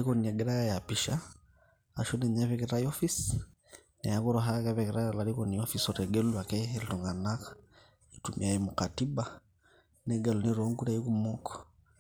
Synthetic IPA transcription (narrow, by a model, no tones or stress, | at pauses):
ikɔniɛɡɛɾajajapiʃaː | ʃɔnɛɲaβɛkɛɾajɔfis | nɛjakɔɾɔɦakɛβɛkɛɾajalaɾikɔniɔfisɔɾɛɡɛluwakɛɛlitɔŋɡanakḁ | itumʔḭaimukatiba | nɛɡaluniɾɔŋɡuɾaikumɔkɔ̥